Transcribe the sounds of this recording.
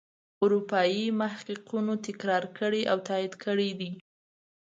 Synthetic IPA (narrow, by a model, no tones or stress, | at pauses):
ʊɾupɑjimahququnot̪ɪkɾɑɾkəɽeʔawt̪ɑid̪kʰəɽed̪i